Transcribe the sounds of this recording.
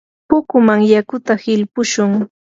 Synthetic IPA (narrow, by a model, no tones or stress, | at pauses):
pʊkʊmaŋjakʊt̪ahɪlpʊʃʊŋ